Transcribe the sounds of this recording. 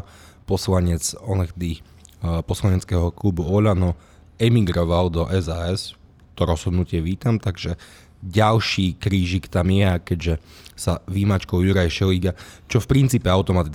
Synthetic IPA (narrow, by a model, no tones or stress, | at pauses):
pɔslaɲɛt͡sɔnɛxd̪i | pɔslaɲɛt͡skɛɦɔklubuɔʎanɔ | ɛmiɡɾɔʋald̪ɔʔɛzaɛs | t̪ɔɾɔz̥ɦɔd̪nucɪɛʋiːt̪amt̪aɡʒɛ | ɟalʃiːkɾiːʒikt̪amjɛakɛɟʒɛ | saʋimat͡ʃkɔʊjuɾajʃɛliːɡat͡ʃɔfpɾint͡siːpɛaʊt̪ɔmat̪i